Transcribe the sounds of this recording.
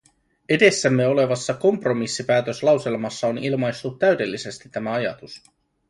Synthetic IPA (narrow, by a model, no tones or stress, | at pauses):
e̞de̞sːæmːe̞o̞le̞ʋɑsːɑko̞mpro̞misːipæːt̪ø̞slɑwse̞lmɑsːɑonilmɑjst̪ut̪ːæɥde̞lːise̞st̪it̪ːæmæɑjɑ̰t̪us